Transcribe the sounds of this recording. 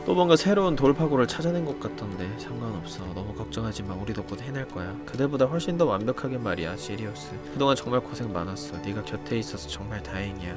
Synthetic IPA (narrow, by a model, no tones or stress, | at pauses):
t͈omʌnɡasʰe̞ɾountoɭpʰaɡoɾɯɭt͡ɕʰad͡ʑanɯnɡʌk̚k͈atʰɯnde̞sʰaŋɡaɯnʌp̚s͈ʌnʌmukʌk̚t͡ɕ͈ʌŋɦad͡ʑimanuɾidok͈̚ʰodɦenaɭk͈ʌjakɯte̞bodaɸwʌɭɕ͈indʌwanbjʌkʰaɡemaɾijaɕʰiɾiʌs͈ɯkɯdoŋant͡ɕʌŋmaɭkosʰe̞ŋmanas͈ʌniɡakjʌtʰe̞is͈ʌsʰʌt͡ɕʌŋmaɭtaɦeŋia